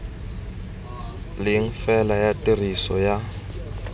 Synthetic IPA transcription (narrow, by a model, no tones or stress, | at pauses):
lɪŋ̩fɛlajatʼirisɔja